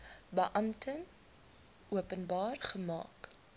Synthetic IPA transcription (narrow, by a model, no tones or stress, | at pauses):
bəʔɐmtʰən | ʔuəpənbɑːrχəmɑ̰ːk